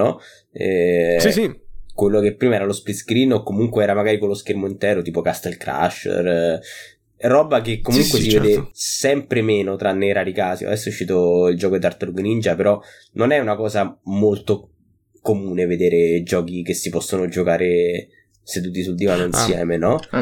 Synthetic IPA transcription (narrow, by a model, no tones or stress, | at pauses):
ɔ | ɛ̰ | kwelːokepːɾiːmaɛːɾalospliskɾiːnokːomuŋkweɛːɾamaɡaːɾikolːoskermoint̪ɛːɾot̪iːpokast̪ɛlkɾa̰ʃːḛr | rɔːbakekːomuŋkwesived̪esɛmpɾemeːnot̪ɾanːejɾaːɾikaːsia̰d̪ɛsːouʃːiːt̪oild͡ʒɔːkoid̪art̪aluɡnind͡ʒapeɾɔ | nonɛunakɔːzamolt̪o | komuːneved̪eːɾed͡ʒɔːkikesːipɔsːonod͡ʒokaːɾe | sed̪uːt̪̬ːisuld̪ivanoinsjɛ̰ːmenɔ